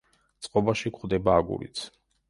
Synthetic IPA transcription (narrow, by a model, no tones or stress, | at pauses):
t̪sʼqʼɔbaʃikʰχd̪ɛbaːɡṵɾḭt̪sʰ